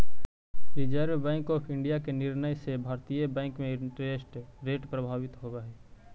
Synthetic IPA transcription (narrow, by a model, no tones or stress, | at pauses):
bɪd͡ʒaːɾjəbɛ̃ːŋkɔːpʰɪ̃ɳɖijakenɪɾnəjsebʱaːɾt̪ijebɛ̃ːŋkmẽɪɳʈɾeːsʈɾeːʈpɾəbʱaːʋɪt̪ɦoːɡaɛː